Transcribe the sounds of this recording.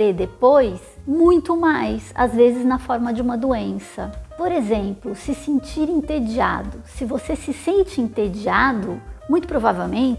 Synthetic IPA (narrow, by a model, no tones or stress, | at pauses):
ed̪epojsmũj̃t̪ʊmajsa̰zvezɪznɐfɔɾmɐd͡ʒɪũmɐd̪uẽsɐpoɾezẽmplʊsɪsĩnt͡ʃiɾĩnt̪ed͡ʒia̰d̪ʊsɪvosesɪsẽnt͡ʃɪĩnt̪ed͡ʒiad̪ʊmũj̃t̪ʊ̥pɾovavewmẽt͡ʃ